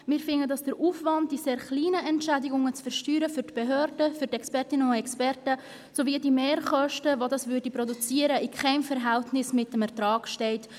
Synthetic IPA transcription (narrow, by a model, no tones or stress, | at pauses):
mɪːɾfɪnədɑsd̥əɾʔuːfvɑnt̚d̥iseːɾχliːnəɛntʃædɪɡʊŋət͡sfɛɾʃtyːɾəfʏɾtb̥eɦøːɾdəfyɾtɛkspɛrtɪnəʊɛkspɛrtə | soviːdimeːɾχɔʃtəvodɑsvʏɾdipɾodut͡siːəɾəɪkʰχɛɪmfəɾɦæltnɪsmɪtːəmɛɾtɾɑːɡ̥ʃtɛɪt